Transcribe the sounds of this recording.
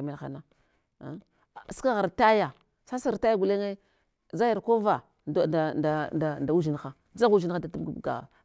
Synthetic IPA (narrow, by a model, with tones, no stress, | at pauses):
me˦lxa̰˨na̰˦˨ | ska˦ɣa˨ɾta˦ja˨ | sa˦sa˨ta˦ja˦ɡu˨le˦ŋe˦ | za˦ja˨ɾko˦va˨ | a˨da˨da˨nda˨wu˦d͡ʒi˨nxa˦ | d͡za˦u˦d͡ʒi˦n˦xa˦dtu˦bɡbɡa̰˨